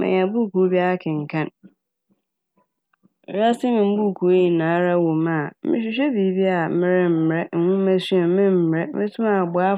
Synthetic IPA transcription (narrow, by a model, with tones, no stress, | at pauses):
mɪ̰̃˨ɲ˨ã˨bu˦˨ku˨˦bi˦a˦kʰɪ̃˨ŋ̩˨kʰã˦n˦ | ɾa˦sɪ˦nɪ̃˨m̩˦bu˦˨kʰu˨o˦ji˨nãː˨˦ɾa˦wo˨mã˨mɪ̰̃˦ɕ̬ᶣi˦ɕ̬ᶣɛ˦biː˨˦bi˦a˨˦mɪ̃˦ɾɛ˦m̩˨m˨ɾɛ˦ŋ̩˨hũ˦mæ˦sɥa˨˦mɪ̃˦m̩˨mɪ˨ɾɛ˦mɪ̃˦tʰʊ̃˦mã˨bʊ˨˦a˦